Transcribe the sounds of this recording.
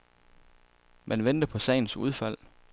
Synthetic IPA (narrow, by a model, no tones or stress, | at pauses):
mʔænʋend̥əpʰɒ̽sɛ̰ɪn̩sṵð̞ˠfæl̰